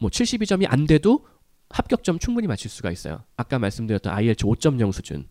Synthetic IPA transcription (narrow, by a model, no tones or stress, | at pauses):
mwʌt͡ɕʰiɭɕ͈ibid͡ʑʌmiʔa̰nde̞do | hap̚k͈jʌk̚t͡ɕ͈ʌmt͡ɕʰuŋbuɲimat͡ɕʰiɭs͈uɡa̰is͈ʌ̰jo̰ak͈̚amaɭs͈ɯmdɯɾjʌt͈ʌna̰ieɭt͡ɕʰɯot͡ɕ͈ʌmɲʌŋsʰud͡ʑṵn